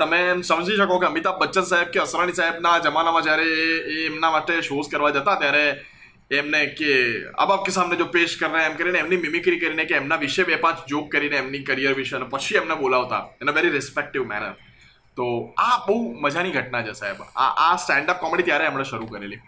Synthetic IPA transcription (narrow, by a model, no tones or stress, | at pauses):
t̪əmemsəməd͡ʒʱiʃəkokeəmit̪abːətːt͡ʃːənsaɦeb̚keəsɾañisaɦebnad͡ʒəmanamãd͡ʒjaɾeːmnamaʈeʃoskəɾʋad͡ʒət̪at̪jaɾeː | mnekea̰bap̚kesamned͡ʒopeʃkəɾneemkəɾineemnimɪmikɾikəɾinekeːmnaʋɪʃebepãt͡ʃd͡ʒok̚kːəɾineːmnikəɾijəɾʋɪʃeənepət͡ʃʰiemnebolaʋt̪a̰enəʋeɾiɾɪspek̚ʈɪʋmɛ̰nə̰ɾ | t̪oabəɦuməd͡ʒʱaniɡʱəʈnat͡ʃʰesa̰ɦeba̰ʔasʈɛ̃ɳɖap̚kɔmɽit̪jaɾeemɳ̃eʃəɾukəɾḛli